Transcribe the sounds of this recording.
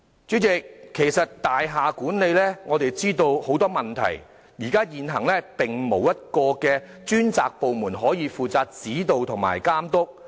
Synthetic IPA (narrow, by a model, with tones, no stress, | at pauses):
t͡ʃy˨˥ɪ˨kkʰːe˨˩jsɐ˨t̚t̪aː˨jɦaː˨kuː˨˥nle˨jlɛː˥ŋɔː˨˧t̪e˨jt͡siː˥t̪o˧who˨˥wt̪ɔː˥mɐ˨˩nt̪ʰɐ̰˨˩j | jiː˨˩kaː˥jiː˨nɦɐ˨˩ŋlɛː˥pɪ˨ŋmo˨˩wjɐ˥t̚kɔː˧kɛː˧ | t͡ʃyː˥nt͡sa̰ː˨k̚po˨˧wmuː˨˩nɦɔː˨˥jiː˨˧fuː˨t͡saː˧t̚t͡siː˨˥t̪o˨˧wt̪ʰʊ˨˩ŋma̰ː˨˩jkaː˥mt̪ʊ˥k̚